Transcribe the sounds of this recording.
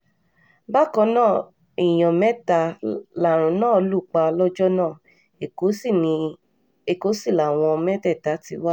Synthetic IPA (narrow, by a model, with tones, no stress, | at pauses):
ba˦˨kɔ̃˧˦nãː˦˨ | i˨j̃ɔ̃˨mɛ˦ta˧˦la˨ɾ̃ũ˨˦nãː˦˨o˧lu˦˨k͡pa˧lɔ˦d͡ʒɔ˦nã˦˨ | e˨o˨˦i˦˨nĩ˧ | e˦˨ko˨˦si˦˨la˨w̃ɔ̃˧mɛ˦tɛ˦˨ta˨˦ti˧wa˦